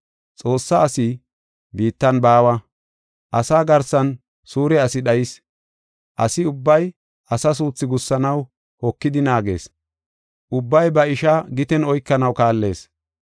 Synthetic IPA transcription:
t͡sʼo̞ːsːɐːsi | biːt̪ːɐnbaːwɐ | ʔɐsaːɡɐɾsɐn | suːɾɛɐsɪɗɐjɪs | ʔɐ̰sɪʊbːɐj | ʔɐsɐs̬uːt͡sːɪɡʊsːɐnɐw | hɔkːɪd̪ɪnaːɡe̞̰ːs | ʔʊbːɐjbɐɪʃɐɡɪt̪ɛnɔjkːɐnɐwkaːlːe̞̰ːs

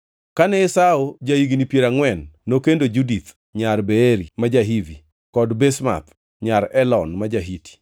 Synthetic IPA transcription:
kanɛesaod͡ʒajiɡinipjeɾaŋwɛnːokendod͡ʒudit̪ | ɲarbeeɾimad͡ʒaɦivi | kɔdbesma̰t̪̚ | ɲaɾɛlɔnmad͡ʒaɦiti̥

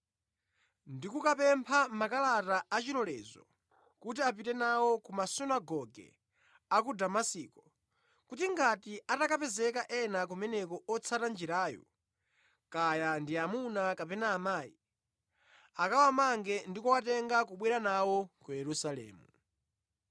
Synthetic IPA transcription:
ndikukapɛmpʰamakalataat͡ʃiɾɔlɛːzɔ̰ | kutiapitɛnawɔkumasunaɡɔɡɛ̰ | akudamasiːkɔ | kutiŋɡatiatakapɛzɛkaʔɛnakumɛnɛkɔɔt͡sʰatand͡ʒiɾaːjɔ̰ | kajandiamunakapɛnaːmaːjḭ | akawamaŋɡɛndikɔwatɛŋɡak̬uɓwiɾanawɔkujɛɾusalɛ̰ːmṵ

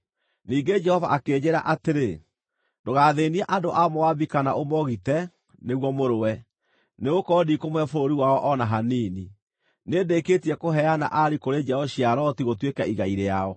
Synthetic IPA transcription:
niːɡed͡ʒɛhɔvaʔakeːd͡ʑeɾa̰ʔateɾe | ndoɣaːðeːniɛʔadoʔamowabikanaʔomɔɣitɛ | neɣwɔmoɾowɛ | neɣokɔdikomwɛfoɾoɾiwaɔʔɔnaɦaniːni | neːdeketiɛkoɦɛana̰ʔaɾikoɾed͡ʒɛɔɕijaɾɔtiɣotwekaiɣaiɾeaɔ

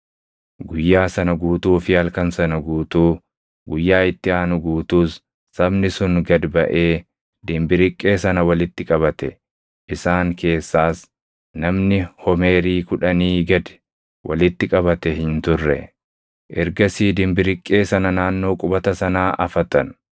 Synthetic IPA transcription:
ɡʊjːaːsɐnɐɡuːt̪uːfɪɐlkɐnsɐnɐɡuːt̪uː | ɡʊjːaːɪt̪ːɪaːnʊɡuːt̪uːsː | ɐbnɪsʊŋɡɐd̪bɐʔeː | d̪ɪmbɪɾɪkʼːe̞ːsɐnɐwɐlɪt̪ːɪkʼɐβɐt̪ɛ | ʔɪsaːŋkʰe̞ːsːaːs | nɐmnɪhɔme̞ːɾiːkʊᶑɐniːɡɐd̪ɛ̥ | wʔɐ̰lɪt̪ːɪkʼɐβɐt̪ɛhɪnt̪ʊrːɛ̰ | ʔɛɾɡɐsiːd̪ɪmbɪɾɪkʼːe̞ːsɐnɐnaːnːo̞ːkʼʊbɐt̪ɐsɐnaːʔɐfɐt̪ɐn

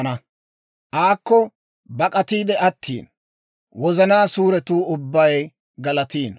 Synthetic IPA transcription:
nɐ | ʔaːkːɔ | bɐkʼɐt̪iːd̪ɛɐt̪ʰːḭːn | wɔzɐnaːsuːɾɛt̪uːʊbːɐj | ɡɐlɐt̪iːn

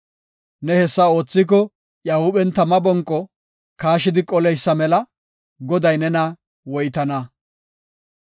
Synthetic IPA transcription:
nɛhɛsːɐo̞ːt͡sːɪk̬ɔ | jahʊɓɛnt̪ɐmɐbɔŋkʼːɔ | kaːʃɪd̪ɪkʼɔlɛjsːɐmɛlɐ | ɡɔd̪ɐjnɛnɐ | wɔjt̪ɐnɐ

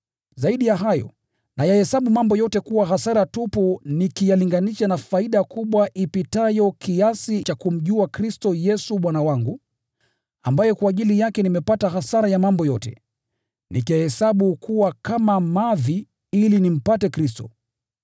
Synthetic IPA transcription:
zaiɗijaɦajɔ̰ | nʔajahɛsaɓumambɔjɔtɛkuwaɦasaɾatupunikijaliŋɡaniʃanafaiɗakuɓwaʔipitajɔkiasit͡ʃakum̩ʄuakɾistɔjɛsuɓwanawaŋɡu | a̰mbajɔkwaːʄilijakɛnimɛpataɦasaɾajamambɔjɔtɛ̰ | nikɛhɛsaɓukʰuwakamamaði | ilinim̩patɛkɾistɔ̰

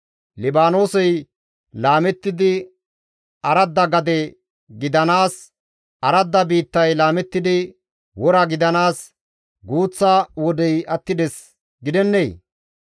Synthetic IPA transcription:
lɪbaːno̞ːsɛj | laːmɛt̪ːɪd̪ɪ | ɐɾɐd̪ːɐɡɐd̪ɛ | ɡɪd̪ɐnaːs | ɐɾɐd̪ːɐbiːt̪ːɐjlaːmɛt̪ːɪd̪ɪ | wɔɾɐɡɪd̪ɐnaːs | ɡuːt͡sːawɔd̪ɛjʔɐt̪ːɪd̪ɛs | ɡɪd̪ɛnːej

